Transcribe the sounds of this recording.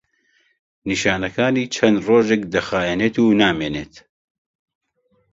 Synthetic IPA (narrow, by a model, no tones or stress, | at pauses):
niʃaːnɐkʰaːniːt͡ʃʰɐnd̪roːʒek̚d̪ɐxaːjɛneːt̪uːnaːmeːneːt̪